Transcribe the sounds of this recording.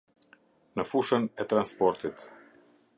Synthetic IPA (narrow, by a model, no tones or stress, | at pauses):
nəfuʃənɛt̪ɾanspɔɾt̪it̪